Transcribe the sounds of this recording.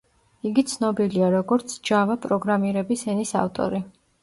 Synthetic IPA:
iɡit̪sʰnɔbiliaɾɔɡɔɾt̪sʰd͡ʒavapʼɾɔɡɾamiɾɛbisɛnisa̰ft̪ʼɔ̰ɾi

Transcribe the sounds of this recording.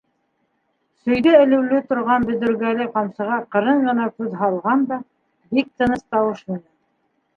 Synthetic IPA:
sɵ̆jðæɘ̆lɘ̆wlɘt̪ŏɾʁɑnbɵ̆ðɵ̆ɾɡælɘqɑmsɤ̆ʁɑqɤ̆ɾɤɴɢɤ̆nɑkʉðɦɑlˠʁɑnd̪ɑ | bik̚t̪ɤ̆nɤst̪ɑwɤʃmɘ̆næn

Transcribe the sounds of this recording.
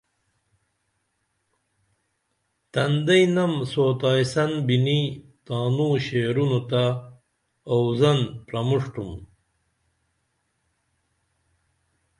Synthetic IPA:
t̪ɐnd̪ɐjnɐmsoːt̪aːjsɐnbinit̪aːnuɕeːɾunut̪aː | wzɐnpɾɐmuʂʈum

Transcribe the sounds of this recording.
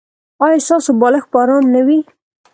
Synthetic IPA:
ɑjɑst̪ɑsobɑləxpɑɾɑnnawi

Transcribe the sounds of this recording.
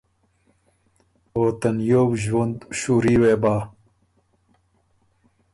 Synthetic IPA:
oːt̪ɐnjoːbʒwɐnd̪ʃuːɾiːweːbaː

